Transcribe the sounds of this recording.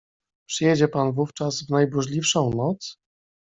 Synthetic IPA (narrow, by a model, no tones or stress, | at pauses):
pʂɘjɛd͡ʑɛpanvuft͡ʂazvnajbuʐlʲifʂɔ̃w̃nɔt̪s